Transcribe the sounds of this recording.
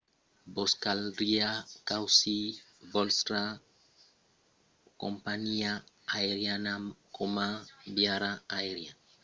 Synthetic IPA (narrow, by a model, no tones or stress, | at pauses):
bɔskalɾiakawsibɔlstɾa | ko̰mpaɲiaː | eɾianakomabiaɾaaeɾia